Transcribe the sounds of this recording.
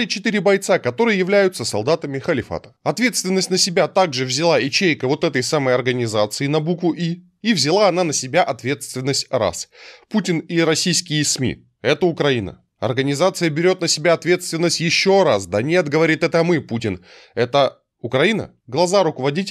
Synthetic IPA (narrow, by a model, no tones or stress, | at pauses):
lʲɪt͡ɕɪt̪ɨɾʲɪbɐjt̪sakɐt̪o̞ɾɨjəjɪvlʲæjʊt̪səsɐlˠd̪at̪əmʲɪxəlʲɪfa̰t̪ə̥ɐt̪vʲe̞t̪st̪vʲɪnːəsʲtʲnəsʲɪbʲat̪aɡʐɨvzʲɪlˠaɪt͡ɕejkəvo̞t̪ɛt̪əjsaməjɐrɡənʲɪzat̪sɨɪnɐbukvʊʔiː | vzʲɪlˠaɐnanəsʲɪbʲaʔɐt̪vʲe̞t̪st̪vʲɪnːəsʲtʲra̰sputʲɪniɾɐsʲijskʲɪjɪsmʲḭ | ɛt̪əʊkɾɐinə̰ | ɐ̰rɡənʲɪzat̪sɨjəbʲɪɾʲo̞t̪nəsʲɪbʲaɐt̪vʲe̞t̪st̪vʲɪnːəsʲtʲjɪɕːo̞ɾasd̪ɐnʲe̞t̪ɡəvɐɾʲit̪ɛt̪əmɨputʲɪn | ɛt̪ə | ʊkɾɐinə̰ | ɡlˠɐzaɾʊkəvɐdʲitʲ